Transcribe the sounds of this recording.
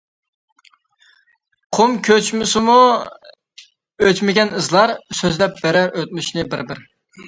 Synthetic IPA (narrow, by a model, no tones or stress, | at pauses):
qʰomkʲʰøt͡ʃmɪsɪmu | øt͡ʃmɪɡʲɛnɨzlˠɑɾsøzlɛp̚bɛɾæɾʔøt̪̚myʃnɪbɪ̰ɾbɪɾ